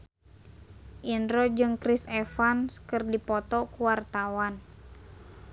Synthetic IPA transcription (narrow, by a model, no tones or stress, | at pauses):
ʔindɾɔd͡ʒɨŋkɾisɛfanskɨrdipɔt̪ɔkuwart̪awan